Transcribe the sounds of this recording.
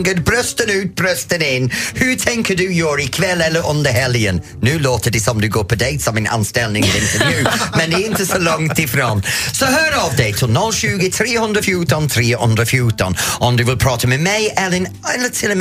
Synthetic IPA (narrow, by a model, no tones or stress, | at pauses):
ŋɡədbɾœstənʉːt̚b̥ɹɜstənɪnhʉtʰɛ̃ŋkʰədʉjɔːɹɪkʰvɛlɛləɹʔɔ̃ndəhɛljənːʉːloːtədɪsɔmdʉɡoːpʰədeɪtsɔmɪnʔa̰nstɛlnɪ̃ŋəvɪ̃ntʰənjʉːmɛ̃ndɪɪntəsoʊlɔ̃ŋtʰɪfɾoːnsoʊɦɜːɾɔvdeɪtʰɪlˠnɔlˠʃʉːɡɪt̪ɹiːhʊ̃ndɹəfjuːtənθɹiːʊ̰̃ndɹəfjuːtə̰̃nəndʉvɪlˠpʰɹ̥ɑːtəmɛmeɪʔɛlɪn | ɛlətʰɪləm